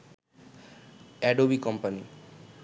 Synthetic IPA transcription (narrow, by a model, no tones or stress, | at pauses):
ɛɖobikɔmpani